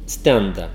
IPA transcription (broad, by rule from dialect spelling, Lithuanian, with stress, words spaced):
ˈsʲtʲɛndɐ